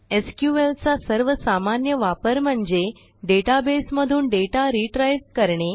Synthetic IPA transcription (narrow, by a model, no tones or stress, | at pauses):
eskjuʋelt͡sasəɾʋəsamanjəʋapəɾm̤əɳd͡ze | ɖeʈabesməd̪ʱuːnɖeʈaɾiʈɾajʋkəɾɳe